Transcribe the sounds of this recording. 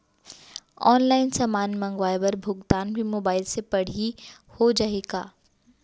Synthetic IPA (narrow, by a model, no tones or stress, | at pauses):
ɔːnlaːɪnsaːmaːnmɐ̃ŋɡʋaːjbɐɾbʱʊɡt̪aːnbʱimoːbaːɪlsepɐɽ̤ihod͡ʒaːeːɡaː